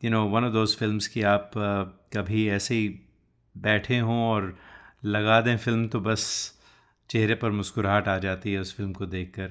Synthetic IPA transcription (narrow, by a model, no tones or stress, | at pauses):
jʊnoːʋɐ̃nɔːd̪oːzfɪlmz̥kiaːpkɐbʱiɛːsei | bɛːʈʰeɦõɔːɾlɐɡaːd̪ẽfɪlmt̪obɐs | t͡ʃeɦɾepɐɾmʊskʊɾɦaːʈaːd͡ʒaːt̪iɦɛʊsfɪlmkod̪eːkʰːɐɾ